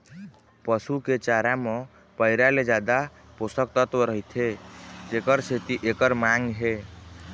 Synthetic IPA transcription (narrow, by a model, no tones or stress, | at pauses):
pəsuket͡ʃaɾame | pəɪɾaled͡ʒad̪a | post̪ək̚t̪ət̪wəɾəɦit̪ʰet̪ekəɾsʰet̪iʔekəɾmaŋɡɦe